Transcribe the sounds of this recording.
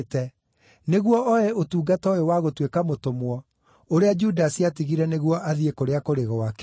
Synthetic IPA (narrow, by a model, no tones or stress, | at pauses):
tɛ | neɣwɔɔɛotuːɡatɔewaɣotwekamotomwɔ | oɾead͡ʒudasiatiɣiɾɛneɣwɔʔaðiekoɾeakoɾeɣɔwak